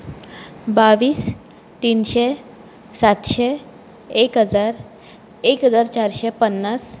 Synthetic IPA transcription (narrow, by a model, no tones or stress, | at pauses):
baʋiːs | t̪inɕe | sat̪ɕe | ekɦəd͡zaɾ | ekɦəd͡zaɾt͡ɕaɾɕepənːas